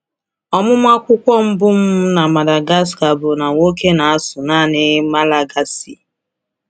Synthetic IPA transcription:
ɔ˦mʊ˦m˦a˦kʷʊ˦kʷɔ˦m̩˦bʊ˦m̩˦na˨ma˨da˨ɡa˦s̬ka˨bʊ˨na˨ŋo˦ke˦na˨a˦sʊ˨naː˦˨nɪ˦ma˦la˨ɡa˦si˨

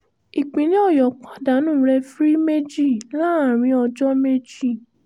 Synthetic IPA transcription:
i˨k͡pĩ˨nĩ˦ɔ˦˨jɔ˨k͡pa˨˦da˨˦nũ˦˨˦ɾɛ˧fɾi˦me˦d͡ʒi˦˨la˦a˨ɾ̃ĩ˧˦ɔ˧d͡ʒɔ˦me˦d͡ʒi˦˨

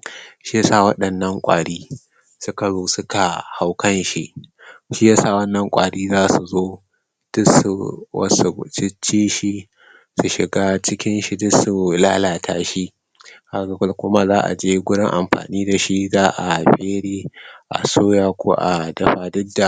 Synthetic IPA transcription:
ʃi˦ja˦saː˦˨wɐ˦ɗɐ˨nːɐ˦ŋkʷʼa̰ː˨ɽiː˦ | sʊ˦ka˨zoː˦sʊ˦ka˨ha˨wkʰɐ˦nʃi˦ʔ | ʃi˦jaː˦saː˦˨wɐ˦nːɐ˨ŋkʷʼa̰ː˨ɽiː˦zaː˦su˨zoː˦ | d̥ʊ˦su˨wɐ̰˦su˨t͡ʃɪ˦t͡ʃːiː˦ʃi˦ | su˨ʃɪ˨ɡaː˦t͡ʃɪ˦kʲɪ˦nʃi˦dʊ˦su˨laː˦laː˨tʰaː˦ʃi˦ | ka˦ɡa˨kʷʊ˦lkʷʊ˦ma˦zaː˦ʔa̰˨d͡ʒeː˦ɡʷʊ˦ɽɪ˦ŋʔa̰˨mɸa̰ː˨niː˦da˨ʃi˦zaː˦ʔa˨ɸeː˦ɽeː˦ʔa̰˨soː˦jaː˦kʷʰo̰ː˦ʔa˨dɐ˦ɸaː˨dʊ˦dːa˨

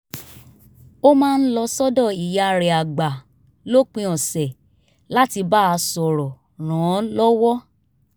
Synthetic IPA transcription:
o˦mãː˦˧n̩˦lɔ˧sɔ˦dɔ˦˨i˨ja˨˧ɾɛ˨a˨ɡ͡ba˨ | lo˦k͡pĩ˧ɔ̃˨sɛ˨ | la˦ti˧ba˦a˧sɔ˨ɾɔ˨ | ɾ̃ã˨˦lɔ˦wɔ˦

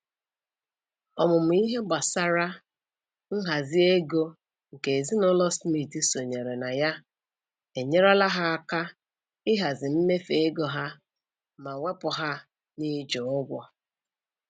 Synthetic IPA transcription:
ɔ˨mʊ˨m̩˨i˦ɦe˦ɡ͡ba˨sa˦ɾa˦ | ŋ̩˦ɦa˨zɪ˦e˦ɡo˦ | ŋ̩˨ke˨e˨zi˦nʊ˦lɔ˦smi˨ti˦so˨ɲe˨ɾe˨na˨ja˦ | e˨ɲe˦ɾa˦la˦ɦa˦a˦ka˦ | ɪ˦ɦa˨zɪ˨m̩˦me˦fe˨e˦ɡo˨ɦa˦ | ma˨ŋʷe˦pʊ˨ɦa˦ | ni˦d͡ʒo˨ʊ˦ɡʷɔ˦

